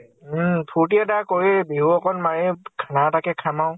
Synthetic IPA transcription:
pʰuɹt̬iadakoɹibiɦuɔkʰɔnmaɹikʰanatakɛkʰamaʊ̃

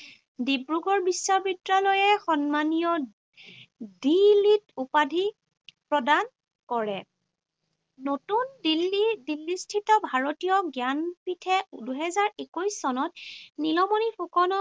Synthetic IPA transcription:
dibɹuɡʱɔɹbisːabitɹalɔjɛxɔnmanijɔ | dilitupadʱi | pɹɔdan | kɔɹɛ | notundilidilːistʰitɔbʱaɹotijɔɡjanpitʰɛduɦɛzaɹekujsːɔnɔt̚nilɔmɔnipʰukɔnɔ

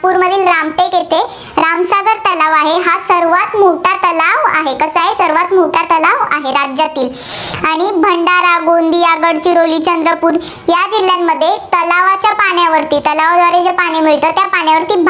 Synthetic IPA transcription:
puːɾməd̪ʱiːlɾamʈ̪eket̪e | ɾamsaɡəɾt̪əlaʋaɦeɦasəɾʋat̪moʈat̪əlaʋa̰ɦekəsaɦesəɾʋat̪moʈat̪əlaʋa̰ɦeɾad͡ʑjat̪iːl | aɽ̃ibʱəɳɖaɾaɡond̪ʱiːaɡəɽt͡ɕiɾoliːt͡ɕənd̪ɾəpuːɾ | jad͡ʑil̤ːjamːəd̪ʱːjet̪əlaʋat͡ɕjapaɳjaʋəɾt̪iːt̪əlaʋd̪ʱʋaɾed͡ʑjapaɽ̃imiɭt̪ət̪japaɳ̃jaʋəɾt̪iːbʱ

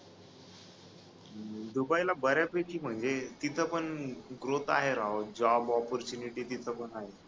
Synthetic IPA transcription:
d̪ubajlabəɾjapekiːm̤əɳd͡zet̪it̪ʰəpəɳɡɾot̪a̰ɦeɾaɦod͡ʑɔbɔpɔɾt͡ɕuniʈiːt̪it̪ʰəpəɳaɦe

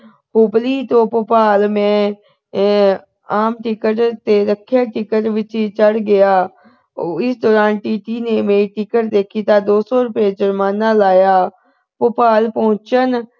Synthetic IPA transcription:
hʊbliːt̪õːpʊpaːlmɛ̃ː | aːmʈɪkəʈt̪eɾəkʰːjaːʈɪkəʈʋɪt͡ʃt͡ʃəɽɡɪjaː | ɪsd̪ɔːɾaːnʈiːʈiːnemeːɾiʈɪkəʈd̪eːkʰiːt̪aːd̪oːsɔːɾʊpjed͡ʒəɾmaːnaːlaːjaː | pʊpaːlpəɦʊ̃t͡ʃən

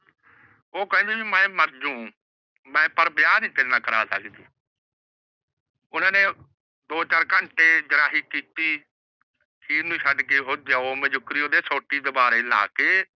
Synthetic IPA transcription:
oːkəɛ̃ːd͡ʒeːbimɛ̃ːməɾd͡ʒũː | mɛ̃ːpəɾbjaːnĩːt̪eːnːãːkəɾa̰ːsə̰kd̪iː | ʊnãːneː | d̪oːt͡ʃaːɾkəɳʈeːd͡ʒəɾaːɦiːkiːt̪iː | kiːnũːʃʰəɖkeːɦoːd̪jaːoːmɛ̃ːd͡ʒʊkɾiːoːd̪eːsoːʈiːd̪əbaːɾeːla̰ːkeː

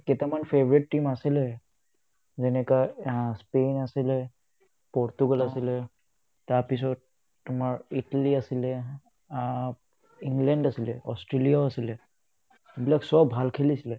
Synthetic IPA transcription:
kɛtamanpʰevɔɹitːimasilɛ | zɛnɛkaspenasilɛ | pɔɹtuɡalasilɛ | taɹpis̬ɔt̚ː | umaɹitaliasilɛ | a | iŋɡlɛndasilɛɔstɹelijaoasilɛ | bilaksɔbʱalkʰelisilɛ

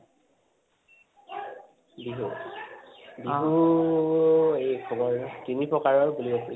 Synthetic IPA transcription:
biɦu | biɦu | ejkʰɔɡɔɹtinipɹɔkaɹɔɹbuliɔpi

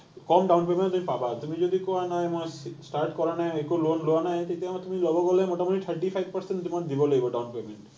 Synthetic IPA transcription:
kɔmɖawnpemẽɳt̪umipabat̪umid͡ʑod̪ikoanaemɔesʈaɾʈkɔɾanaeekolonloanajt̪ajt̪eamat̪umilɔboɡɔlemoʈamoʈit̪ʰaɾʈifʰajb̚pɐɾseɳʈd̪umaɾd̪ibolojboɖawnpemeɳʈ

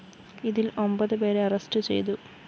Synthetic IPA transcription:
iðilo̞mbɐðɨpe̞ːɾeɐrɐstɨt͡ɕḛjt̪̬u

